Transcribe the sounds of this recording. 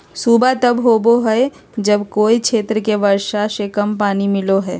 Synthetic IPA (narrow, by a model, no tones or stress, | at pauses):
suːbat̪ɐbɦoːboɦɛe | d͡ʒɐbkoːikʃʰeːt̪ɾəkeʋəɾʃaʃekəmpaːnimɪloɦɛː